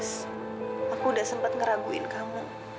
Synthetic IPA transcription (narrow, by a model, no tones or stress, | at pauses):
s | akuːdasəmpat̪̚ŋəɾaɡuɪ̰nkamu